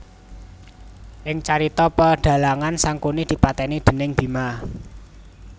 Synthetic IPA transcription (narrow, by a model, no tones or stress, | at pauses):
ʔɪŋt͡ʃaɾit̪ɔpəɖ̥ä̤laŋansaŋkunid̪̥i̤pat̪ɛnid̪̥ə̤nɪŋb̥i̤ma